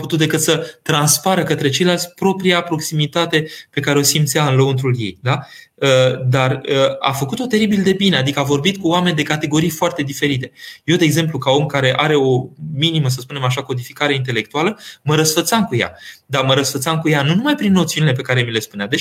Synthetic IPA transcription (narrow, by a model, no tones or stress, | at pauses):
put̪ut̪̚d̪e̞kɨt̪sət̪ɾanspaɾəkət̪ɾe̞t͡ʃejlalsʲpɾo̞pɾijapɾo̞ksimit̪at̪e̞pe̞kaɾe̞o̞simt̪sijaɨnlount̪ɾulje̞̰jd̪a | əd̪arəa̰fəkut̪o̞t̪e̞ɾibild̪e̞bine̞ad̪ikəavo̞rbit̪̚kuoame̞nʲd̪e̞kat̪e̞ɡo̞ɾijfoart̪e̞d̪ife̞ɾit̪e̞je̞wd̪eeɡze̞mplukao̞mkaɾe̞ʔaɾe̞o̞miniməs̬əspune̞maʃ̬ako̞d̪ifikaɾe̞int̪̬e̞le̞k̚t̪ualəməɾəsfət̪samkuja̰d̪arməɾəsfət̪samkujanunumajpɾinːo̞t̪siunile̞p̬e̞kaɾe̞mile̞spunead̪e̞